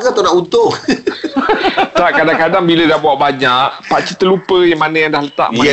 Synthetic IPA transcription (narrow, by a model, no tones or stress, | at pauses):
kat̪onaʔut̪ʊŋ | t̪aʔkadaŋkadaŋbilədahbuaʔbaɲaʔpaʔt͡ʃit̪əlupəjaŋmanãjaŋdahlət̪a̰ʔma